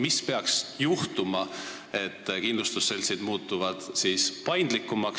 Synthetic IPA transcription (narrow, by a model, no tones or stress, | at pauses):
mispe̞ɑksjuht̪umɑ | e̞t̪ːkind̪lust̪usːelʲsejd̪̥muːt̪ːˑuvɑd̪̥siːspɑjnd̪̥likːˑumɑk